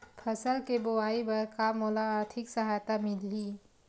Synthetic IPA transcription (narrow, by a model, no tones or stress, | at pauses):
pʰɐsəlkeboaːibɐɾkaːmɔːlaːɾt̪ʰɪksəɦaːjt̪amɪlːiː